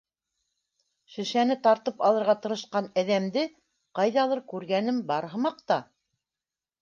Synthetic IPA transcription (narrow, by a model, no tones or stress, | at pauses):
ʃɘ̆ʃænɘt̪ɑɾt̪ɤpɑlˠɤ̆ɾʁɑt̪ɤ̆ɾɤ̆ʃqɑnæðæmd̪ɘ | qɑjðɑlˠɤɾkʉɾɡænɘmbɑɾɦɤ̆mɑq̚t̪ɑ